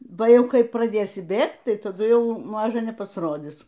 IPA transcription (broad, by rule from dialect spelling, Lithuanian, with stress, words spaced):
ˈbɐ ˈjɛʊ ˈkɐɪ prɐˈdʲeːsʲɪ ˈbʲeːkt ˈtɐɪ tɐˈdʊ ˈjɛʊ ˈmɑːʒɐ nʲɛpɐsˈroːdʲɪs